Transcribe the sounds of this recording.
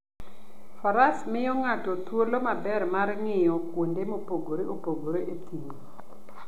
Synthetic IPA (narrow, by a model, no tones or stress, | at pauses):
fɔɾasmɪjɔŋatɔt̪wolomabɛrmarŋɪjɔkwondemopoɡoɾeopoɡoɾeʔet̪ʰiŋi